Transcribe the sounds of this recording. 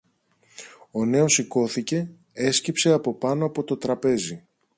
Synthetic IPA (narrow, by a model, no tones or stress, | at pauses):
o̞ne̞o̞siko̞θice̞ | e̞scipse̞ɐpo̞pɐno̞ɐpo̞t̪o̞t̪ɾɐpe̞zi